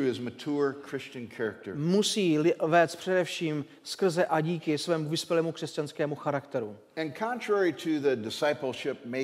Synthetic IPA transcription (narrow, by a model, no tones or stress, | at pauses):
ɨɨzmɨtʰuɹkʰɹ̥ɪst͡ʃɨ̃nkʰɛɹɨk̚tə̰˞musiːvɛːst̪̚pr̥ɛdɛfʃiːm | skr̩zɛʔaɟiːkɪsvɛːmuvɪspjɛlɛːmukr̥ɛscanskɛːmuxaɾakt̪ɛɾu | ɨ̃nkʰɑ̃ntʰɹ̥ɛɹiɾʰɨðɨdɨsaɪpl̩ˠʃɪp̚me